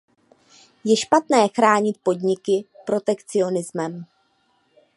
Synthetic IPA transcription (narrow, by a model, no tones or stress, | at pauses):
jɛʃpat̪nɛːxɾaːɲɪt̪̚po̞dɲɪkɪpɾo̞t̪ɛkt͡sɪo̞nɪzmɛm